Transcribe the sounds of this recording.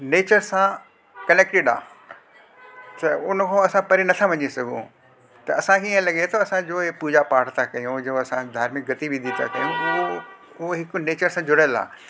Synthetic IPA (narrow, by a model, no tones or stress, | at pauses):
neːt͡ɕəɾsã | kɐneːk̚ʈɪɖa̰ː | t̪ɐʊnkʰõɐsãpɐɾinɐt̪ʰaʋɐɲisɐɡʱṵ̃ | t̪ɐːsãkʰeiə̃lɐɡet̪ʰoɐsãd͡ʑoːɦepuːd͡ʑapaːʈt̪ʰakɐjũd͡ʑoːɐsãd̪ʱaːɾmɪk̚ɡʱɐt̪ibɪ̃nd̪ʱit̪ʰa̰kɐ̰jũʊo | ʊɦoɦɪkʊneːt͡ɕəɾsãd͡ʑʊɽəəla̰ː